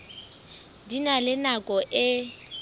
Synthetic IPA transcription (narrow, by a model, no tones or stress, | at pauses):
dinalɪnakʼɔʔɪ